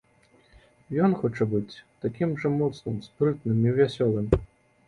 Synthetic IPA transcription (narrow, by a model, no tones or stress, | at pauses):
jɔnxɔt͡ʂɛbɨt͡sʲt̪akʲimʐɐmɔt̪snɨmspɾɨt̪̚nɨmiwvʲasʲɔlˠɨm